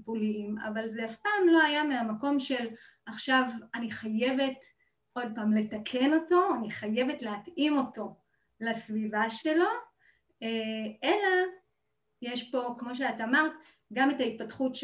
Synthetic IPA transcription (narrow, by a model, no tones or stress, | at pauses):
pulima̰valzeafpaːmlo̞ajameamako̞mʃe̞l | aχʃavaniχaje̞ve̞t | ʔo̞d̚paːmle̞takʰe̞no̞to̞aniχaje̞ve̞tleatimo̞to̞ | lasvivaʃe̞lo̞ | e̞la | jeʃpo̞kmo̞ʃeataamaʁt | ɡame̞tait̚patχutʃ